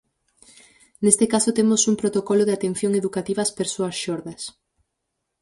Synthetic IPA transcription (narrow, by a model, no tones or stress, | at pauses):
nest̪ekasot̪emʊsumpɾot̪okɔloðeat̪en̟θjoŋeðukat̪iβaspeɾsoɐsʃɔɾðɐs